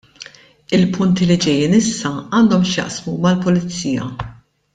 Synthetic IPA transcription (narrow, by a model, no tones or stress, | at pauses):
ɪlpʊnt̪ilid͡ʒɛjːiːnɪsːɐɐːnd̪ɔmʃjɐ̰ʔsmumɐlpʊlɪt͡sːiːjɐ̰